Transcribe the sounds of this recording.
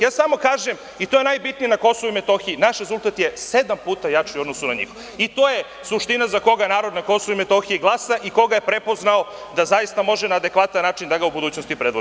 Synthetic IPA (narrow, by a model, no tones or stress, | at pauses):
jaːsamo̞kaːʒem | it̪oje̞najbit̪nijinako̞so̞ʋuimet̪o̞xiinaʃɾezulˠt̪at̪jese̞d̪ampuːt̪ajat͡ʃajod̪nosunaɲḭx | it̪o̞ːje | suʃt̪inazako̞ɡanaːɾod̪nako̞souime̞t̪o̞xiiɡlˠaːsaʔiko̞ɡajepɾepo̞znaod̪azajist̪amo̞ʒenaːd̪e̞kʋat̪anːaːt͡ʃind̪aɡaubud̪uːt͡ɕno̞st̪ipɾed̪ʋo